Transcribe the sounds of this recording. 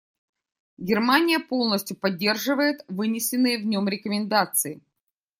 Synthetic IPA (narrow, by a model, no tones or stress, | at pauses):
ɡʲɪrmanʲɪjəpo̞lˠnəsʲtʲjʊpɐdʲːe̞rʐɨvəjɪt̪vɨnʲɪsʲɪnːɨjəvnʲo̞mɾʲɪkəmʲɪnd̪at̪sɨɪ